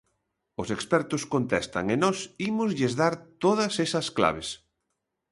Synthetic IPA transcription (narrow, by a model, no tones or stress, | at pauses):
ʊsekspɛɾt̪ʊskont̪ɛst̪ɐ̰ŋenɔsimʊzʎezðaɾt̪oðɐsesɐskla̰β̞es